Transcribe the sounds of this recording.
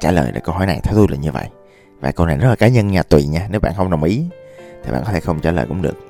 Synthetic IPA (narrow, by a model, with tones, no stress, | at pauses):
t͡ɕaː˧˩lə̰ː˨˩jɗḛ˧˩kə˧wɦɔ˧˩jna˨˩jt̪ʰɛ˧wt̪u˧la̰ː˨˩ɲɨ˧və̰˧˨jʔ | vaː˨˩kə˧wna˨˩jzə˦˥t̚laː˨˩kaː˨˦ɲə˧nɲaː˧˩t̪wḭ˧˩˨ɲaː˧ne˨˦wɓa̰ː˧˨xə˧wŋ͡mɗə˨˩wŋ͡mʔi˨˦t̪ʰi˨˩a̰ː˧˨kɔ˦e˧˩xə˧wŋ͡mt͡ɕaː˧˩lə̰ː˨˩jkʊ̰˧˥ŋ͡mɗɨ̰˨˩ək̚